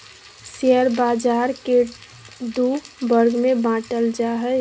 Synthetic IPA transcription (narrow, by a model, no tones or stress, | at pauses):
seəɾbad͡ʒaɾke | d̪ubəɾɡmebãʈəld͡ʒaɦə